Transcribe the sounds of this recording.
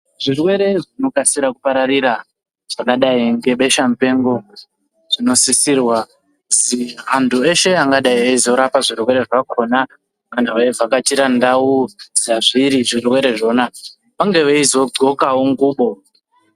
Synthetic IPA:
ʐirwe̞ɾe̞ʐino̞kasiɾakupaɾariɾa | ʐ̥aŋkaɗaiŋɡe̞ɓe̞ʃamupe̞ŋɡo̞ | ʐ̥ino̞sisirwa | ziɦantʰue̞ʃe̞aŋɡaɗaieizoɾapaʐirwe̞ɾe̞ʐakʰo̞na | manawevakatiɾandauz̥aʐiɾiʐirwe̞ɾe̞ʐo̞ːna | paŋɡe̞ʋeizoɡo̞kawoŋɡuːɓo̞

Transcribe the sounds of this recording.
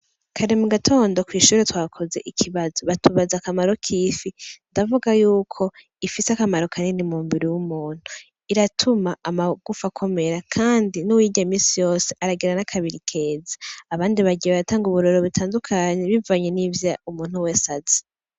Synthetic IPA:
kʰaɾemuɡatʰo̞ːndokwiːʃuːɾetwaːkʰo̞ze̞̰ʔikʰiβazoβatuβazakamaɾo̞kʰiːfindavuɡajuːkʰo̞ | ifisakamaɾo̞kʰaninimuːmbiɾijumuːn̥u | iɾatʰumaʔamaɡ̥ufakʰo̞me̞ɾakʰaːndinuwiːɟaimiːsijo̞ːse̞ʔaɾaɡiɾanakʰaβiɾikʰe̞ːzḁːβaːndiβaɡiβaβataːŋɡuβuɾoɾoβitʰaːndukʰaɲe̞βivaɲe̞nivjaumuːn̥huwe̞ːsazi̥

